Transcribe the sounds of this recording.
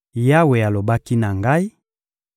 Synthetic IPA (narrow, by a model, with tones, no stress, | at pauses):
ja˦we˨a˨lo˨ba˦ki˦na˨ŋɡa˦i˦